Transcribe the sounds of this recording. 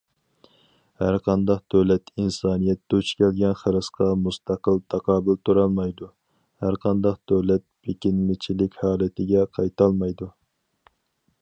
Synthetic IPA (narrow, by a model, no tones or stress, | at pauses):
hæɾqʰɑnd̪ɑqd̪̥øwlɛt̪ʰinsɑːnijɛt̪ːɛut͡ʃʰkʲɛlɡʲɛnχəɾɨsqʰɑmust̪ʰɑqəlˠt̪ʰɑqɑːbɪlt̪ʰuɾɑlˠmɑjd̪u | hæɾqʰɑnd̪ɑqd̪̥øwlɛt̪̚bekʲinmɪt͡ʃʰilɪkʲhɑːlˠɨt̪ʰɪɡʲɛqʰɑjt̪ʰɑlˠmɑjd̪u